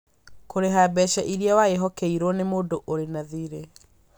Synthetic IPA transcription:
koɾeɦabɛʃɛʔiɾiawaeɦɔkɛiɾɔnemoːdoʔoɾenaðiːɾe

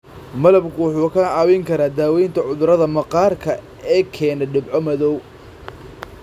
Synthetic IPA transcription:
mɐlɐbkʰʊwɑħuːkʰɐɑːwɛŋkʰɐɾaːd̪aːwɛjnt̪ʰɐʕʊðʊɾɐðɐmɐqɑːrkʰɐ | ɛːkʰɛːnɛɖɪbʕɔmɐðɔw

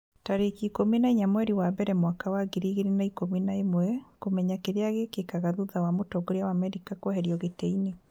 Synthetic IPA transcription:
taɾekikominaiɲamwɛɾiwaβɛɾɛmwakawaɡiɾiɣeɾenaikominaemwɛkomɛɲakeɾeaɣekekaɣaðuðawamotɔɡoɾeawaːmɛɾikakwɔɦɛɾiɔɣeteine

